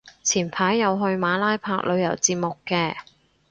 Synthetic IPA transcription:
t͡sʰiː˨˩npʰaː˨˥jːɐ˨˧wɦɵ˧ɥmaː˨˥laː˥jpʰaː˧k̚lɵ˨˧ɥjɐ̰˨˩wt͡siː˧p̚mo˨kːɛː˧

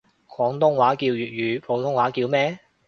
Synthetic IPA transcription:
kʰɔː˨˥ŋt̪ʊ˥ŋwaː˨˥kiː˧wjyː˨t̚ɥyː˨˧pʰo˨˧wt̪ʰʊ˥ŋwaː˨˥kiː˧wmɛː˥

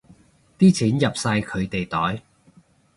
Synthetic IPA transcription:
t̪iː˥t͡sʰiː˨˥njɐ˨p̚sɐ˧jkʰɵ˨˧ɥt̪e˨jt̪ɔː˨˥j

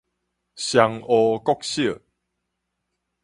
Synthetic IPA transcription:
ɕja˧ŋɔ˨˧kɔ˦k̚ɕi˥˨

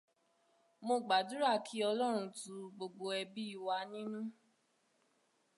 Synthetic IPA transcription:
mo˧ɡ͡ba˨du˨˦ɾa˦˨kʰi˨˦ɔ˧lɔ˦ɾ̃ũ˧tũ˧˦ɡ͡bo˧ɡ͡bo˧ɛ˧bi˦i˦˧˨wa˧nĩ˦nũ˦

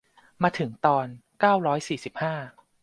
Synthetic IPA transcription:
maː˧t̪ʰɯ˩˦ŋt̪ɔː˧nkaː˥˩wɾɔː˦˥jsiː˨˩si˨˩p̚haː˥˩

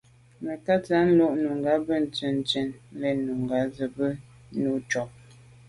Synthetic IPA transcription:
mə˨ka˦t͡sa˦n̩˦lɔ˦˨ʔnu˨ŋ˨ɡa˨˦bə˦˨n̩˨t͡ʃə˨n˨t͡ʃə˨n˦lɛ˦nu˨ŋ˨ɡa˨˦zə˨bə˦ | nu˨˦t͡ʃɔ˨p̚

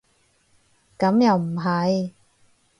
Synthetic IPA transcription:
kɐ˨˥mjɐ˨wm̩˨˩ɦɐ˨˧j

